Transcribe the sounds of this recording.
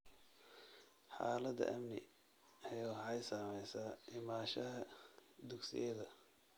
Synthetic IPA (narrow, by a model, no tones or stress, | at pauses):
ħɑ̰ːlɐd̪ɐ̰ʔɐmnɪ̰ | ɐjawħɑjsaːmɛjsaːʔɪmaːʃɐɦɐd̪ʊɡsɪ̰jɐðɐ